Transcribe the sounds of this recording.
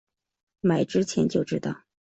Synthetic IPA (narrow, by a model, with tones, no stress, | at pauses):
ma˨˩ɪʈ͡ʂɻ̩˥t͡ɕʰjɛ˧˥nt͡ɕjo˥ʊʈ͡ʂɻ̩˥t̪ɑ̰˥˩ʊ